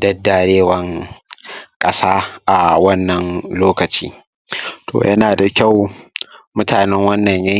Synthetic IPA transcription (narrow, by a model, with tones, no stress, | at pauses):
dɐ˦dːa˨ɽeː˦wɐ˦ŋ | kʼɐ˦saː˦ʔa˨wɐ˦nːɐ˨nloː˦kɐ˨t͡ʃḭː˦ | tʰo̰ː˨jɐ˦naː˨da˨kʲa˦˨w | mʊ˦taː˨nɛ˦ŋwɐ˦nːɐ˨ɲjɐ˦